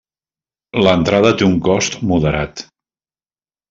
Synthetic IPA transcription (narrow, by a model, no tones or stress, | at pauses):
lənt̪ɾaðət̪euŋkɔst̪muðəɾa̰t̪